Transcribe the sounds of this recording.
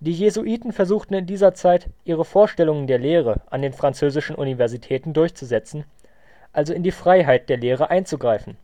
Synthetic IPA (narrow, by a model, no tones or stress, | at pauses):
d̥iːjezuʔiːtn̩fɛɐzuːxtn̩ɪndiːzɐt͡saɪtʔiːʁəfoːɐʃtɛlʊŋəndeːɐleːʁəʔa̰ndeːnfʁ̥ant͡søːzɪʃn̩ʔṵnivɛɐzitʰɛːtn̩dʊɐçt͡suzɛt͡sn̩ | ʔalzoɪndiːfʁ̥aɪɦaɪt̚d̥eːɐleːʁ̞əʔaɪnt͡suɡʁaɪfn̩